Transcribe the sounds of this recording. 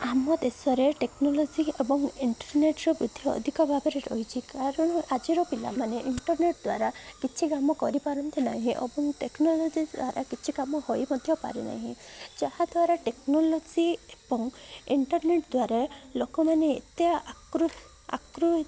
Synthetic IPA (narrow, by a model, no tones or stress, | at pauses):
amɔd̪eswaɾeʈeknɔlɔd͡ʒiebɔŋiɳʈɔɾneʈɾɔbɾud̪ʱːiɔ̰d̪ʱikɔbʱabeɾeɾɔ̰ɦit͡ʃʰikaɾɔɽ̃ɔʔad͡ʒiɾɔbila̰maneʔiɳʈɔɾneʈd̪waɾakit͡ʃʰikamɔkɔɾipaɾɔnt̪ina̰ɦĩʔḛbɔŋʈeknɔlod͡ʒid̪wa̰ɾʔa̰kit͡ʃʰikamɔhojmɔd̪ʱjɔpa̰ɾḭna̰ɦĩ | d͡ʒahad̪waɾaʈeknɔlod͡ʒiebɔŋiɳʈɔɾneʈd̪waɾalokɔmaneḛt̪jaakɾu | a̰kɾu